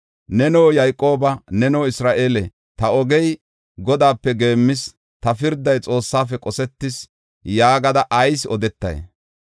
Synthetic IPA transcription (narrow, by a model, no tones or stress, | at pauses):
nɛnoːjɐjkʼːo̞ːbɐnɛnoːɪsɾaːʔeːlɛ | t̪ɐɔɡɛj | ɡɔd̪aːpːɛɡe̞ːmːɪs | t̪ɐfɪɾd̪ɐjt͡sʼo̞ːsːaːfɛkʼɔsɛt̪ːɪs | jaːɡɐd̪ɐʔɐjsɔd̪ɛt̪ːɐ̰j̰